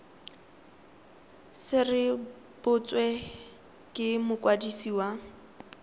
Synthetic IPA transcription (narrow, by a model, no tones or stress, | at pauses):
sɪrɪ | b̥ʊt͡sʼwɛ | kʼɪmʊkʼwadisiːwa